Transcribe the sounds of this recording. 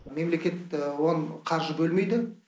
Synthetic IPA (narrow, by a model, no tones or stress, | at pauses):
me̞mle̞kʲe̞t̪woɴqʰɑɾʒəbɵlme̞jd̪ɪ